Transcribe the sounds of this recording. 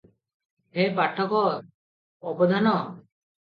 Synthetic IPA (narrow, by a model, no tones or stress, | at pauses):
ɦepaʈʰːɔkɔɾ | ɔbɔd̪ʱanɔ